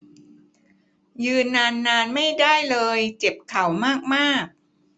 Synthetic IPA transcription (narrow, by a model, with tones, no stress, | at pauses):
jɯː˧nːaː˧nːaː˧nma˥˩jdaː˥˩jlɤː˧jt͡ɕe˨˩p̚kʰa˩˦wmaː˥˩k̚maː˥˩k̚